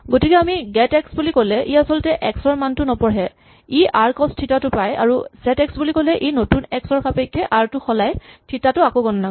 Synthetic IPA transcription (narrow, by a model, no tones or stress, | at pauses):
ɡotikɛamiɡɛtɛksbulikolɛʔiasɔltɛʔɛksɔɹmantʊnɔpɔɹɦɛ | iʔaɹkɔstʰitatʊpaja̰ɹusɛtɛksbulikolɛʔejnotunɛksɔɹkʰapejkʰːɛʔaɹtʊxɔlajtʰitatʊakoɡɔnɔna